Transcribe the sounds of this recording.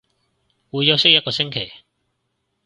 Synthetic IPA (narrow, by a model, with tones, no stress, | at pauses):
wuː˨˧jɐ˨˧wsɪ˥k̚jɐ˥t̚kɔː˧sɪ˥ŋkʰe˨˩j